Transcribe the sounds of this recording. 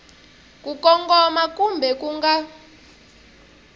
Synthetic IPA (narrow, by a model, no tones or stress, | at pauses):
k̬ʼukɔŋkɔmak̬ʼumbʱɛk̬ʼuŋɡa